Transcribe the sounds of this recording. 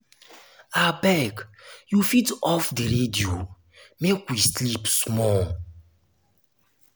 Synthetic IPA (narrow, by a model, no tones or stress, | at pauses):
abɛɡjufitɔfdiɾedio | mekwislipsmɔl